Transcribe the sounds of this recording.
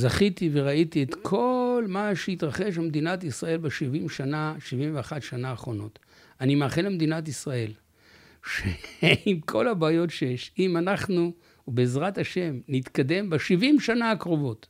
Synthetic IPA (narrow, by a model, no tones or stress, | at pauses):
zaχit̪ive̞ʁait̪iet̪kʰo̞lmaʃeit̪ʁaχeʃamed̪inatisʁae̞lbeʃivimʃanaʃivimveaχatʃanaːχʁo̞no̞t | animaːχenlemed̪inatisʁae̞l | ʃeimkʰo̞labaːjo̞tʃejeʃimanaχnu | beːzʁathaʃe̞mnit̪kad̪e̞mbeʃivimʃanaːkʁo̞vo̞t